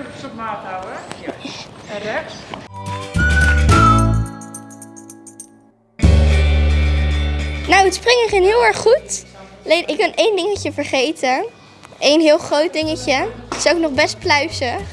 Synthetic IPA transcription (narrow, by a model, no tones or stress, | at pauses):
maːtawə | ɛ | nowətsprɪŋməχɪnɦɪːlˠɛɹχːutalejnʔɪkɡɑnejndɪŋəcəvəɹχejtə | ʔejnɦɪːlˠχrowt̚dɪŋəcəɪ̥soknɔχbɛst̚plœɥsə